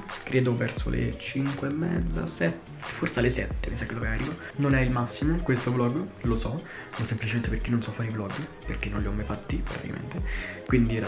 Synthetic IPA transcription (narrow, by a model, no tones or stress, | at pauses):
kɾʔeːd̪ovɛrso̰lʔḛt͡ʃiŋkweɛmːɛ̰d̪zːa̰sɛt̪ː | e̥forsalesɛt̪ːeḭsakːed̪ovearːḭva | nonɛilmasːimokwest̪oblɔɡːlosɔ | osemplit͡ʃement̪eperkinːonsɔfːaɾiblɔɡːperkːenːonljiɔmːajfat̪ːipɾa̰t̪ika̰mḛnt̪ekwind̪iɛɾa